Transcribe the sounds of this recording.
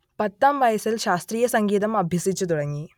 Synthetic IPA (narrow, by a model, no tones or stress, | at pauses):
pɐt̪ːaːmʋaːjɐsɐlʃaːst̪ɾiːjɐsɐŋɡiːt̪̬ɐmɐbʱjɐsit͡ʃːut̪uɽɐŋɡi